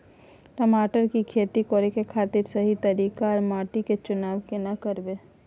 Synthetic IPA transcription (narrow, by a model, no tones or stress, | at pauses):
ʈəmaːʈəɾkikʰeːt̪ikoːɾekekʰaːt̪ɪɾsɐɦit̪ɐɾiːkaɔɾmaːʈiket͡ʃʊnaːʋkenakəɾbeː